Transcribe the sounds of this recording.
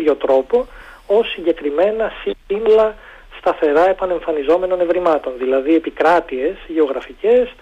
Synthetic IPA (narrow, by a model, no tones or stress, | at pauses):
ʝo̞t̪ɾo̞po̞ | o̞sːiɲɟe̞kɾime̞nɐsiinlɐ | st̪ɐθe̞ɾɐe̞pɐne̞ɱfɐnizo̞me̞no̞ne̞vɾimɐt̪o̞nðilɐðie̞pikɾɐt̪ie̞sʝe̞o̞ɣɾɐfice̞s